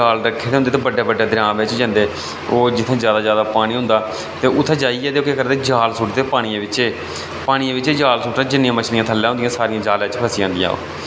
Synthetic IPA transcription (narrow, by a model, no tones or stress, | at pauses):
aːlɾəkʰːeːd̪eɦʊnd̪eːt̪eːbəɖːeːbəɖːeːd̪ɪɾãːʋɪt͡ʃd͡ʒãːnd̪eː | oːd͡ʒɪt̪ʰːẽːzjaːd̪aːd͡ʒjaːd̪aːpaːɽ̃ĩːɦʊ̃nd̪aː | t̪eːʊt̪ʰːẽːd͡ʒaːiːɛːd̪eːokekəɾd̪eːd͡ʒaːlsʊːʈd̪eːpaːɽ̃iãːʋɪt͡ʃeː | paːɽ̃iãːʋɪt͡ʃeːd͡ʒaːlsʊːʈãːd͡ʒɪnːɪjãːmət͡ʃʰnijãːt̪ʰəlːjãːɦʊ̃nd̪iãːsaːɾɪijãːd͡ʒaːlẽt͡ʃpʰəsijãːnd̪ijã̰ːo̰ː